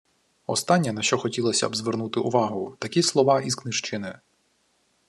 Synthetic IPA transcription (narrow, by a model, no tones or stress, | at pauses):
ɔst̪ɑnʲːɐnɐʃt͡ʃɔxɔtʲilˠɐsʲɐ̰bzʋernut̪ɪʔʊʋɑɦʊt̪ɐkʲislˠɔʋɑizknɪʃt͡ʃɪnɪ